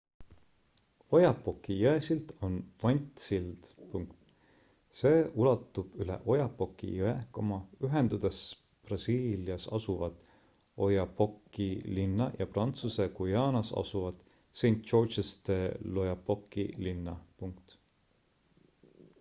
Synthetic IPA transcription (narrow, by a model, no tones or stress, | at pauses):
o̞jɑpːo̞kːˑijɤesilt̪o̞nvɑnʲt̪sild̪̥puŋkt̪ | se̞ːulɑt̪ˑːub̥ylḛʔo̞jɑpːo̞kːˑḭjɤeko̞mɑyɦe̞nd̪̥ud̪̥es | prɑsiːliɑsɑ̰suvɑt̪ | o̞jɑpo̞kˑːilinːɑjɑprɑnt̪suse̞kujɑːnɑsɑ̰suvɑt̪ | se̞jnt̪ˑʃo̞rt͡ʃest̪e̞lo̞jɑpokːˑḭlinːɑpuŋkt̪